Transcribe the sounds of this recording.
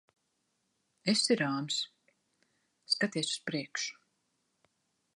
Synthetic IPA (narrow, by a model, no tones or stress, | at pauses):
esiɾaːms | skat̪iɛsu̥spɾiɛkʃu̥